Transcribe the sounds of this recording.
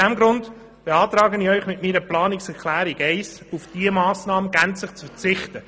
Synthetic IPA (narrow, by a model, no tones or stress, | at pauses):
ɛmɡɾʊnd | b̥eɑːtɾɑːɡəniœʏχmɪtmiːɾəplɑːnɪksɛklæːɾɪɡɛɪs | ufd̥iəmɑːsnɑːməɡænt͡slɪχt͡sfɛt͡sɪχt̪ə